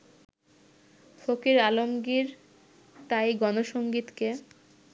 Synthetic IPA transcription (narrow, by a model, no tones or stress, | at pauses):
fʰokiɾalomɡiɾ | t̪ajɡɔnoʃoŋɡit̪ke